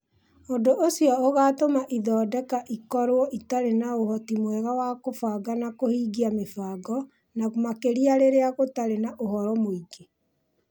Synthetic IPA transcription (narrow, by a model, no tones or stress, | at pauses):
oːndoʔosiɔoɣaːtomaʔiðɔːdɛkaʔikɔɾwɔʔitaɾenaohɔtimwɛɣawakofaːɡanakohiːɡiamefaːɡɔ | naɣomakeɾiaɾeɾeaɣotaɾenaʔoɦɔɾɔmoiɡe